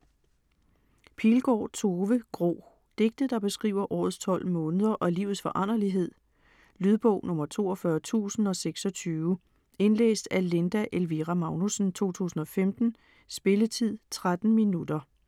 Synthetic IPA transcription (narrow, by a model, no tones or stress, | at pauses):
pʰilɡ̥ɒ̰ːt͡sʰo̝ːʋəɡ̥ʁo̰ː | d̥e̝ɡ̥̚d̥ð̩ˠd̥ɑ̈b̥e̝sɡ̥ʁḭːʊ̰ɐʔɒ̰ːð̞̩ˠst͡sʰɒ̽l̰mɔ̽ːnəð̞ˠɐʔɒ̽liːʊð̩ˠsfɒ̽ʔɑn̰ɐliɦe̝ð̞̰ˠ | lyð̞ˠb̥ɔ̽ʊ̰nɔ̽mɐt͡sʰo̝̰ːɒfɶɐt͡sʰṵːsn̩ɒ̽seɡ̥sɒ̽t͡sʰyː | e̝nlḛːsd̥æle̝nd̥æʔelʋiʁæmɑ̈ʊnusn̩t͡sʰo̝̰ːt͡sʰṵːsn̩ɒ̽femd̥n̩ | sb̥e̝lət͡sʰið̰ˠt͡sʰʁad̥n̩minud̥ɐ